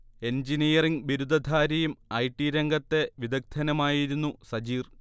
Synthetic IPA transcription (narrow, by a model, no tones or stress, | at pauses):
e̞nd͡ʑinijɐriŋɡʋiɾud̪ʱɐd̪ʱaːɾɐjumɐjʈːiɾeŋɡɐt̪ːe̞ʋid̪ɐk̚t̪ʰɐnɐmaːjiɾunːusɐd͡ʑiːr